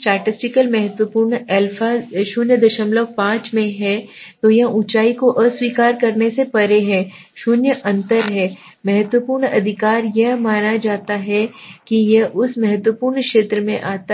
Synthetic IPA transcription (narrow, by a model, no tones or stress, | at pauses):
sʈaːʈɪsʈɪkəlmɛɦət̪wəpuːɾɳɛlfaːzʃʊnjəd̪ɐʃəmləʋpãːt͡ʃmẽɦɛt̪ojɐɦʔut͡ʃaːikoʔəswiːkaːɾkɐɾnesepɐɾeɦɛ̃ː | ʃʊnjəʔɐ̃nt̪əɾɦɛː | mɛɦət̪wəpuːɾɳɐd̪ʱɪkaːɾjɐɦmaːnad͡ʒaːt̪aɦɛkijɐʔʊsmɛɦət̪wəpuːɾɳkʃeːt̪ɾəmẽʔaːt̪a